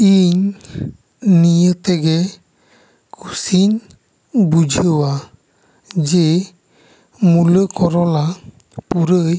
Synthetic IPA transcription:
iɲ | nijət̪ɛɡɛ | kʰusin | bud͡ʒʱəwa | d͡ʒɛ | muləkɔɾɔla | puɾəj

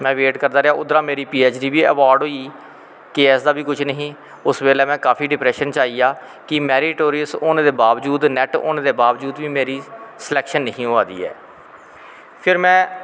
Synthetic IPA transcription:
mɛ̃ːʋeːʈkəɾd̪aːɾeaːʔʊd̪ɾãːmeːɾiːpiːeːt͡ʃɾiːʋiːə̰ʋaːɾɖɦoːiː | keɛːsd̪aːbiːkʊt͡ʃʰnəɦĩː | ʊsʋeːlɛːmɛ̃ːkaːpʰiːɖɪpɾɛːʃənt͡ʃaːiːjaː | kɪmɛːɾɪʈoːɾɪəsoːñːd̪eːbaːʋd͡ʒuːd̪nɛʈo̰ːnãːd̪eːbaːʋd͡ʒuːd̪ʋiːmeːɾiːsəlɛːkʃənːəɦĩːɦoːaːd̪ḭːɛ̰ː | pʰɪɾmɛ̃ː

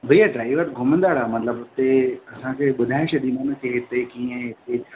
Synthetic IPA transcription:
bʱɐiaɖɾaːɪʋəɾɡʱʊmə̃nd̪aːɽaːmɐt̪ləbt̪eɐsãːkʰeɓʊd̪ʱaːɪʃɐɗ̪imanẽkeɦɪt̪ekĩə̃ɦɪt̪e

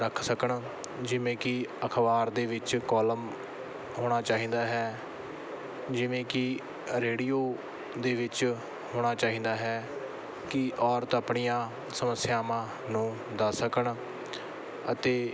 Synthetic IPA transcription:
ɾəkʰsəkəɳ | d͡ʒɪʋẽːkɪəkʰʋaːɾd̪eːʋɪt͡ʃkɔːləm | ɦoːɽ̃aːt͡ʃaːɦĩːd̪aːɦɛː | d͡ʒɪʋẽːkɪ | ɾeːɽiːoː | d̪eːʋɪt͡ʃ | hɦoːɽ̃aːt͡ʃaːɦĩːnd̪aːɦɛː | kɪʔɔːɾt̪əpɳijãː | səməsːjaːmãː | nũː | d̪aːsəkəɳ | ət̪eː

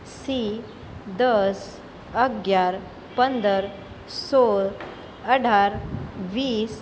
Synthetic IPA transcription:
si | d̪əs | əɡjaɾ | pənd̪əɾ | soɾ | əɽ̤ʱaɾʋiːs

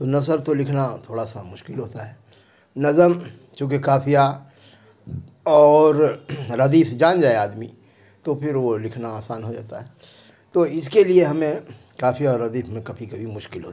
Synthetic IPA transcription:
t̪onɐsəɾt̪olɪkʰnat̪ʰoːɽasamʊʃkɪlɦoːt̪aɦɛː | nɐzəm | t͡ʃũːk̬ekaːpʰija | ɔːɾɾɐd̪iːfʰd͡ʒaːnd͡ʒaːeaːd̪mi | t̪opʰɪɾʋolɪkʰnaaːsaːnɦod͡ʒa̰ːt̪aɦɛ | t̪oɪskelieɦɐmẽ | kaːpʰijaɔːɾːɐd̪iːfʰmẽkɐbʱikɐbʱimʊʃkɪlɦoːt̪a

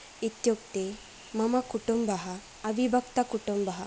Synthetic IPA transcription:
it̪jok̚t̪e | məmakuʈumbaɦaː | ʋibʱəkt̪akuʈumbaɦa

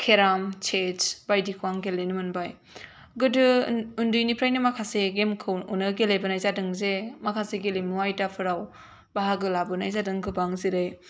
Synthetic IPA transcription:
kʰeɾamt͡ʃʰed͡ʒbajdikʰwaŋɡelenɯmɯnbaj | ɡɯdɯundujnipʰɾajnɯmakʰaseɡemkʰɯwunɯɡelejbɐnajzadɯŋzemakʰaseɡelimuwajtapʰɯɾaw | baɦaɡɯlabɯnajzadɯŋɡɯbaŋziɾɯj

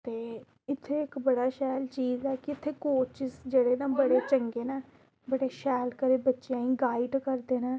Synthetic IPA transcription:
t̪eː | ɪt̪ʰːeːɪkbəɽaːʃɛːlt͡ʃiːzɛːkɪɪt̪ʰːeːkoːt͡ʃɪsd͡ʒeːɽeːnãːbəɽeːt͡ʃəŋɡeːnɛ̃ː | bəɽeːʃɛːlkəɾeːbətːʃejãːĩːɡaːɪɖkəɾd̪eːnɛ̃ː

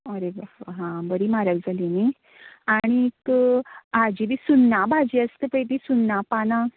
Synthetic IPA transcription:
əɾebaɦãbəɾimaɾəɡd͡zaline | aɽ̃ik | ad͡ʑibisunːabʱad͡ʑiəst̪əpəjt̪isunːapanã

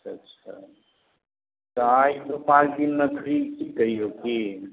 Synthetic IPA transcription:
tːʃʰa̰ | t̪ɔajt̪opãt͡ʃʰd̪inmek̪ʰɾikikəiɦoki

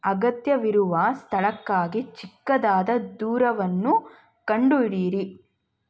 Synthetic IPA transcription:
ɐɡɐt̪jɐʋiɾuʋɐst̪ʰɐɭɐkːaːɡit͡ʃikːɐd̪aːd̪ɐd̪uːɾɐʋɐnːu | kɐɳɖuiɽiːɾi

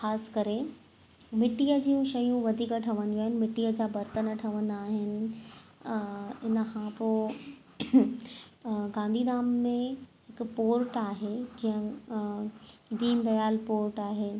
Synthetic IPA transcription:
xaːskɐɾe | mɪʈiəd͡ʑiːũʃɐjũʋɐd̪ʱiːkəʈʰɐʋə̃nd̪uaːɦɪnɪ̆mɪʈiːəd͡ʑaːbɐɾt̪ənəʈʰɐʋə̃nd̪aːɦɪnɪ̆ | ɪnəkʰãːpo | ɡãːnd̪ʱid̪aːmːẽɦɪkpoːɾʈaːɦed͡ʑiːə̃ | d̪iːmb̪ɐjaːlpoːɾʈaːɦeː

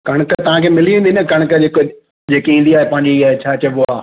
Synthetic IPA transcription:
kɐɽ̃kət̪ɐʋ̤ãkʰeːmɪliĩːnd̪inəkɐɽ̃kəd͡ʑeːko | d͡ʑeːkiĩːn̆d̪iaːɦepãɦɪ̃ɲd͡ʑiaːɦet͡ɕʰaːt͡ɕːboaː

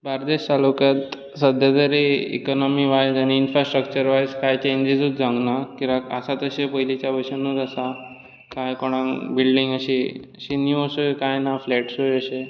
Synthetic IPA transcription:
baɾd̪eɕt̪alokjat̪ | səd̪ʱjat̪əɾiḭkɔnɔmiʋajd͡zañiːnfɾasʈɾək̚t͡ɕəɾʋajskajt͡ɕeɲd͡ʑid͡zud͡zãŋɡnakĩʋakəsat̪əɕepəɦjlit͡ɕjaʋəɕanət̪əsa | kajkɔɽ̃ãŋbilɖiŋɡəɕiɕiniəsokajnaflɛʈsojəɕe

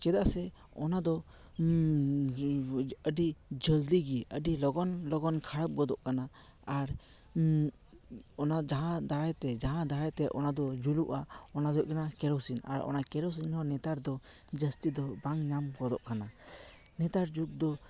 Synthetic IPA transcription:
t͡ʃɛd̪aʔsɛ | ɔnad̪ɔ | əɖid͡ʒəld̪iɡiəɖilɔɡɔnlɔɡɔnkʰaɽəp̚ɡɔd̪ɔʔkanaː | ɾ | ɔnad͡ʒaɦãd̪aɾajt̪ɛd͡ʒaɦãd̪aɾajt̪ɛʔɔnad̪ɔd͡ʒuluʔaɔnad̪ɔʔkanakɛɾɔwsina̰ɾɔ̰nakɛɾɔws̬inhɔnɛt̪aɾd̪ɔd͡ʒəst̪id̪ɔbaŋɲamɡɔd̪ɔʔkana | nɛt̪aɾd͡ʒuk̚d̪ɔ

